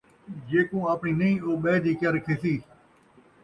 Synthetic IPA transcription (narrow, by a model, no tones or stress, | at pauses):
d͡ʒeːkõːaːpɳiːnəĩːoːɓeːd̪iːkəɾkʰɪsiː